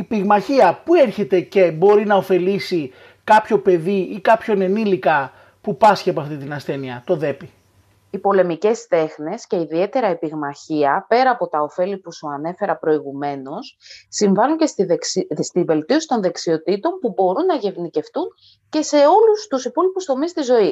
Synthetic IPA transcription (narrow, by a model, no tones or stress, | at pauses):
ipiɣmɐçiɐpueɾçe̞t̪e̞ce̞bo̞ɾinɐofe̞lisi | kɐpço̞pe̞ðiikɐpço̞ne̞nilikɐ | pupɐsçeɐpoɐft̪it̪inɐsθe̞niɐt̪o̞ðe̞pi | ipo̞le̞mice̞st̪e̞xne̞sce̞iðie̞t̪e̞ɾɐepiɣmɐçiɐpe̞ɾɐːpo̞t̪ɐo̞fe̞lipusuɐne̞fe̞ɾɐpɾo̞iɣume̞no̞sːiɱvɐluɲce | st̪ive̞lt̪io̞si̥t̪o̞nðe̞ksio̞t̪it̪o̞mpubo̞ɾunːɐʝe̞vnice̞ft̪uɲ | ce̞se̞o̞lust̪usipo̞lipust̪o̞mist̪izo̞i